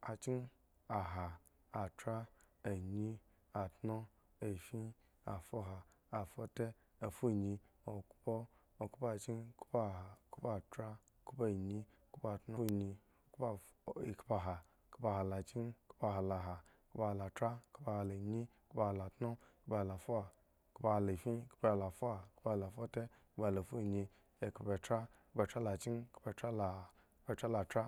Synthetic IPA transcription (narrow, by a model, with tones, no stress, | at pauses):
a˨t͡ʃi˦n | a˨ɦa˨ | a˨tɾa˦a˨ɲi˦ | a˨tno˦ | e˨fi˦ | a˨fo˦ɦaː˨ | fo˦te˦ | a˨fu˦˨ɲi˧o˨kpo˦ | o˨ku˦pa˨t͡ʃi˦nku̥˦pa˦˨a˨ku˦pa˨tɾa˦ | ku˦po˦˨ɲi˦ | ku˦pa˨tno˦ɲi˧˨ | kp | kpa˧ɦa˨ | ku˦pa˧ɦa˨la˨t͡ʃi˦nku̥˦pa˦ɦa˨la˨ɦa˨kpa˦ha˨la˨tɾa˦ku˦pa˦˨ha˨la˨ɲi˦ | ku˦pa˦ha˨la˨tno˦kba˦ha˨la˨fo˦a˨ | ku˦pa˦ha˨la˨fi˦ku˦pa˦a˨la˨fo˦a˨ku˦pa˦˨la˨fo˦te˦kba˦˨la˨fu˦˨ɲi˧ | e˨kba˨tɾa˦ku˦ba˨t͡ʃa˦la˨t͡ʃi˦nkpa˧ta˦la˨˦ | pa˦˨t͡ʃa˦la˨tɾa˦